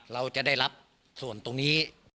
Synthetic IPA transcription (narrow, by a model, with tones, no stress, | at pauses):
ɾa˧wt͡ɕa˨˩da˥˩jɾa˦˥p̚ | su˨˩ənt̪o˧ŋniː˦˥